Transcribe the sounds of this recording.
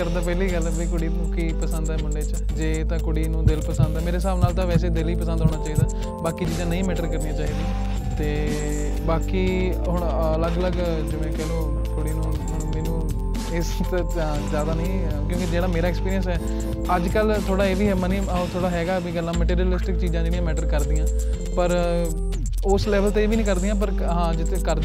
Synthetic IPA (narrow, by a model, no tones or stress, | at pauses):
kəɾd̪aːpɛːliːɡəlbiːkʊɽĩː | kiːpəsə̃nd̪ɛːmʊɳɖeːt͡ʃ | d͡ʒeːt̪ãːkʊɽiːnũːd̪ɪlpəsə̃nd̪ɛːmeːɾeːs̬aːʋnaːlt̪ãːʋɛːs̬eːd̪ɪliːpəsə̃nd̪ɦoːɽɳaːt͡ʃaːiːd̪aː | baːkiːt͡ʃiːd͡ʒãːnəĩːmɛːʈəɾkəɾnijãːt͡ʃaːiːd̪aː | t̪eː | baːkiː | ɦʊɳələɡələɡ | d͡ʒeːʋɛ̃ːkɛɦloː | kʊɽiːnũː | ɦʊɳmɛːnũː | ɪs | t̪ | zjaːd̪aːnəĩː | kjõːkid͡ʒeːɽaːmeːɾaːɪkspiːɾiəns̬ɛː | əd͡ʒkəlt̪ʰoːɽaːeːʋiːɦɛːməniː | t̪ʰoːɽaːɦɛːɡaːbiːɡəlːãːməʈiːɾiəlɪsʈɪkt͡ʃiːzãːd͡ʒeːɽijãːmɛːʈəɾkəɾd̪ijãː | pəɾ | ʊslɛːʋəlt̪eːeːʋiːnĩːkəɾd̪iːjãːp̬əɾ | ɦãːd͡ʒɪt̪ʰkəɾ